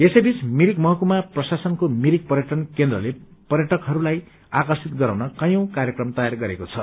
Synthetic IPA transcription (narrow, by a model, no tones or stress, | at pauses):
esʌjbit͡smiɾikmʌɦʌkumaprʌsasʌnkomiɾik̚pʌrjʌʈʌnkend̪rʌlepʌrjʌʈʌkɦʌɾulaj | akʌrsit̪ɡʌɾaw̃nʌkʌjõkarjʌkrʌmt̪ʌjarɡʌɾekot͡sʰʌ